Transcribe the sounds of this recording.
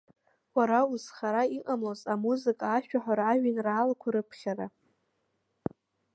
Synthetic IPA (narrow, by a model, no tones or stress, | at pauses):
waɾauzχaɾaiqʼamlozamuzɨkʼaːʃᶣaħʷᶣaɾːʒᶣinraːlakʷʰaɾɨpʰχʲaɾa